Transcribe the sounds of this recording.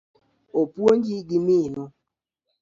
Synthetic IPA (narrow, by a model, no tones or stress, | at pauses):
opwond͡ʒiɡiminɔ